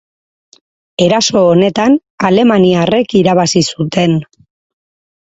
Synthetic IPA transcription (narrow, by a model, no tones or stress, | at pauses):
e̞ɾaso̞ːne̞t̪an | ale̞maniare̞kiɾaβasisut̪e̞n